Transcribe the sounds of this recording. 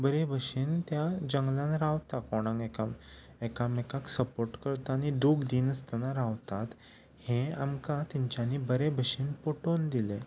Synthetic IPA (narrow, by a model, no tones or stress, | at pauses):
bəɾebʱəɕiːnt̪jad͡ʑəŋɡlãnɾaʋt̪akɔɽ̃ãŋɡekam | ekamekaksəpoɾʈkəɾt̪aañid̪uːɡd̪iːnəst̪ənaɾaʋt̪at̪ | hẽamkãt̪iɲt͡ɕanibəɾebʱəɕiːnpoʈond̪ile